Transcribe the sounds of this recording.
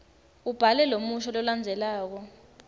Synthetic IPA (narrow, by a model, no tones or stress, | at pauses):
ub̥ʱalɛlomuʃɔlɔland͡zʱɛlaːk̬ɔ